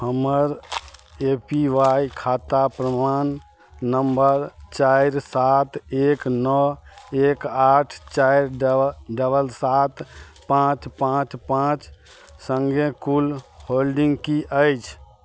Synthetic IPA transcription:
həməɾ | epiʋajkʰat̪apɾəmanː | əmbəɾt͡ʃajɾsat̪eknɔekaʈʰt͡ʃajɾɖəbəlsat̪ | pãt͡ʃpãt͡ʃpãt͡ʃ | səŋɡʱẽkulholɖiŋɡkiʔəjt͡ʃʰ

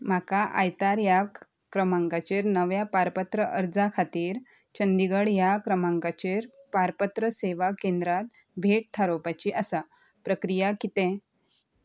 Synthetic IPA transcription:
m̤akaʔa̰jt̪aɾja | kɾəmãŋkat͡ɕeɾnəʋjapaɾpət̪ɾəʔəɾd͡zakʰat̪iːɾ | t͡ɕənd̪iɡəɽjakɾəmãŋkat͡ɕeɾpaɾpət̪ɾəseʋakẽnd̪ɾat̪̚ | bʱeʈ̚t̪ʰaɾopat͡ɕiʔəsa | pɾəkɾijakit̪ɛ̃

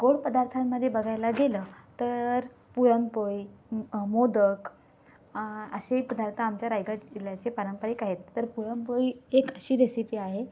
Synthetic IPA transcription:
ɡoɽpəd̪aɾt̪ʰamːəd̪ʱːjebəɡʱajlaɡelət̪əɾ | puɾəmpəjmod̪ək | əɕepəd̪aɾt̪ʰaːmt͡ɕjaɾajɡailjat͡ɕepaɾəmpəɽikaɦet̪ːəɾpuɽəmpəjekəɕiːɾesipiːaɦe

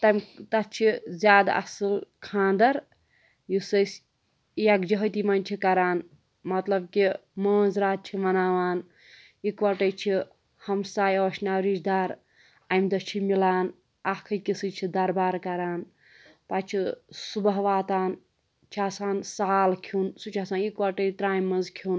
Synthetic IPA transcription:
t̪ɐmʲt̪ɐtt͡ʃʰizʲjaːd̪a̰ɐ̰silkʰãːnd̪ɐɾ | jisəs | jɐkd͡ʒɐɦt̪imɐnʲt͡ʃʰikɐɾaːn | mɐt̪lɐb̚kiməːzɾaːt̪̚t͡ʃʰimɐnaːʋaːn | ikʋɐʈɐt͡ʃʰi | hɐmsaːjɔːʃnaːwɾid͡ʒd̪aːɾ | ajmd̪ɐt͡ʃʰimilaːn | aɦkʰɐjkisɨt͡ʃʰid̪ɐɾbaːɾkɐɾaːn | pat͡ʃʰisubəɦʋaːt̪aːn | t͡ʃʰasaːnsaːlkʰunsut͡ʃʰaːsaːnikʋɐʈəjt̪ɾaːjmːɐ̃nzkʰun

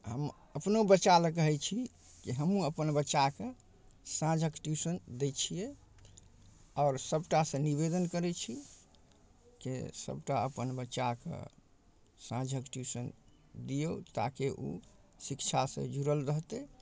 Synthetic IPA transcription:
ɦəm | əpnobət͡ʃaləkəɦɛt͡ʃʰi | kiɦəmũəpənbət͡ʃake | sãd͡ʒʱəkʈjusənd̪et͡ʃʰije | ɔːɾsəbʈasə̃niβed̪ənkəɾɛt͡ʃʰi | kḛsə̰bʈaəpənbəːt͡ʃakḛ | sãd͡ʒʱəkʈjusən | d̪ijot̪a̰keʔṵ | sikt͡ʃʰasḛ̃d͡ʒuɾəlɾəɦt̪e

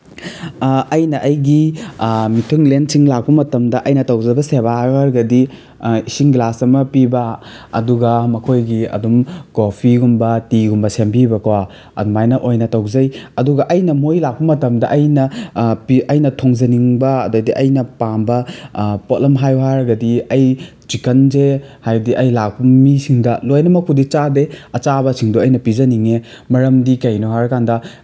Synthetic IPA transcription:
ɐjnɐʔɐjɡi | mitʰuŋlensiŋlak̚pɐmɐtɐmdɐʔɐjnɐtɐwzɐbɐsebajɦaɾɡɐdi | isiŋɡlasɐmɐpibɐɐ̰duɡɐmɐkʰojɡiɐ̰dumkopʰiɡumbɐtiɡumbɐsembibɐkɐwa | ɐ̰dmajnɐʔojnɐtɐwzɐjɐduɡɐʔɐjnɐmojlak̚pɐmɐtɐmdɐʔɐjnɐpiɐjnɐtʰoŋzɐniŋbɐːdojdiʔɐjnɐpambɐpotlɐmɦajɦaɾɐɡɐdiɐj | t͡ʃikɐnze | hajdiʔɐjlak̚pɐmisiŋdɐlojnɐmɐkʰudit͡ʃadeɐt͡ʃabɐsiŋdoɐjnɐpizɐniŋe | mɐɾɐmdikɐjnoɦaɾɐkandɐ

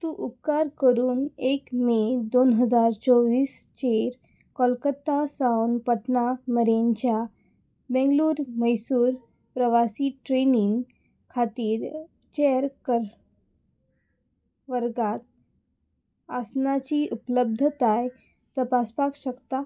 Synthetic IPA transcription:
t̪uʔukːaɾkəɾuːnekmed̪onɦəd͡zaɾt͡sɔʋiːs | t͡ɕeɾ | kɔlkət̪ːasawnpəʈnaməɾeɲt͡ɕja | bɛ̃ŋɡluːɾməjsuːɾ | pɾəʋasiːʈɾeniŋɡ | kʰat̪iːɾ | t͡ɕejəɾkəɾ | ʋəɾɡat̪̚ | asnat͡ɕiʔupləb̚d̪ʱət̪aj | t̪əpaspakɕəkt̪a

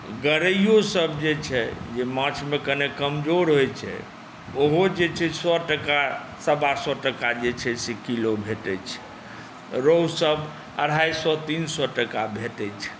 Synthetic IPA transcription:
ɡəɾəjosəbd͡ʒet͡ʃʰɛd͡ʒemãt͡ʃʰmekənekəmd͡ʒoɾɦojt͡ʃʰɛ̰ | oɦod͡ʒet͡ʃʰɛsɔʈəka | səbasɔʈəkad͡ʒet͡ʃʰɛsekilobʱeʈɛt͡ʃʰɛ̥ | ɾowsəb | ə̰ɽ̤ʱajsɔt̪insɔʈəkabʱeʈɛt͡ʃʰɛ̥

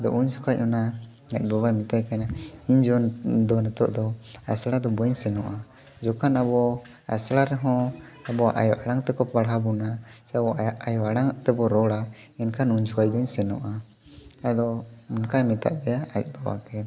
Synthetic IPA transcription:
d̪ɔʔuɲsukac̚ɔna | ac̚ˀbabamit̪ajkanaiɲd͡ʒɔnd̪ɔnɛt̪ɔʔd̪ɔaslad̪ɔbɔɲsɛnɔʔa | d͡ʒɔkanabɔ | a̰slaɾɛɦɔ̃abɔʔa̰jɔʔaɽaŋt̪ɛkɔpaɽɦabɔnat͡ʃabɔajɔaɽaŋt̪ɛbɔɾɔɽaɛnkanuɲsukac̚d̪ɔɲsɛnɔ̰ʔa | ad̪ɔmɔnkamɛt̪a̰ʔd̪ɛjaac̚ˀbaba̰kɛ

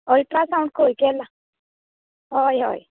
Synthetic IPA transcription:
ɔlʈɾasaũɳɖ̚kojkɛla | ɦɔjɦɔ̰j

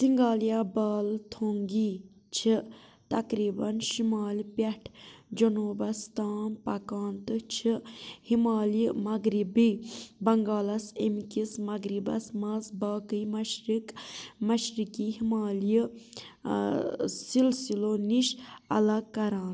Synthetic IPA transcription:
siŋɡaːlijabaːlt̪ʰoːŋɡiː | t͡ʃʰit̪ɐkɾiːbɐnʃimaːlpɐʈʰd͡ʒɐnuːbɐst̪aːnpɐkaːnt̪ɨt͡ʃʰihimaːlimɐɡɾibibɐŋɡaːlɐsemkismɐɡɾibɐ̰smɐsbaːkɨjmɐʃɾikmɐʃɾikiɦimaːlji | silsiloːniʃɐ̰lɐɡkːɐɾãːn

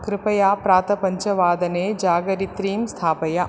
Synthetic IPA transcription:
kɾɪpɐjaːpɾaːt̪ɐpɐɲt͡ʃɐʋaːd̪ɐneːd͡ʒaːɡɐɾit̪ɾiːmst̪ʰaːpɐjɐ

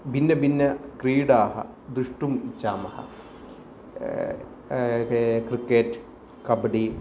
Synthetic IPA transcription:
bʱinːɐbinːɐkriːɽaːɦɐ̰ | d̪uʂʈumit͡ɕːaːmɐhɐ̰ | krikːeːʈ | kɐbɐɽi

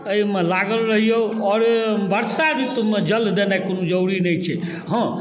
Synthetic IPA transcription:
əjmelaɡəlɾəɦijoɔːɾbʱəɾsaɾit̪umed͡ʒəld̪enakonud͡ʒəwɽinəjt͡ʃʰɛ | ɦə̃

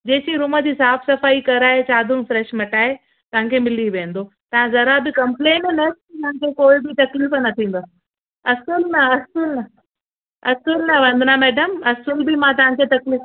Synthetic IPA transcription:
d͡ʑeːsiɾʊmə̆d͡ʑiːsaːfsɐfaːikɐɾaːɦet͡ɕaːd̪ʱʊm̆fɾɛːʃmɐʈaːɦe | t̪ɐʋ̤ãkʰemɪliʋẽːnd̪o | t̪ɐʋ̤ãzɐɾabɪkɐ̃mpleːnnektit̪ɐɦãkʰekoːɪbɪt̪ɐkliːfnɐt̪ʰĩːn̆d̪a | ɐsəlnɐɐsəlnɐ | ɐsəlnɐʋɐ̃nd̪ʱnamɛːɖəmɐsəlbɪmãt̪̬ɐʋ̤ãkʰet̪ɐkliːf

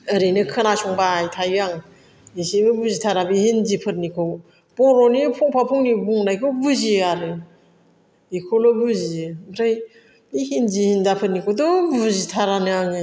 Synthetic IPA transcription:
ɯɾenɯkʰɯnasɔŋbaːjtʰajɡaŋ | isibɯbuzitʰaɾabihinzipʰɯt̚nikʰɯw | pɔɾɔnipʰɔŋpʰapʰuŋnibuŋnajkʰɯwbuziaɾɯ | ikʰolɔbuzibɾaj | bihinzihindapʰɯt̚nikʰɯwdɔbuzitʰaɾanɯaŋɯ

